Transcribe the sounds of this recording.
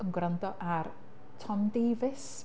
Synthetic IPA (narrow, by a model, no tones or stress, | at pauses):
ənɡwrandɔʔar | tʰɔmdeːvɪs